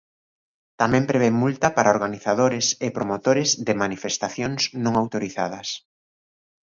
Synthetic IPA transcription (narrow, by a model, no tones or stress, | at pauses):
t̪amɛ̃mpɾeβemult̪ɐpaɾʔaoɾɣaniθaðoɾɪsɪpɾomot̪oɾɪzðɪmanifest̪aθjoŋsnõŋawt̪oɾiθa̰ðɐs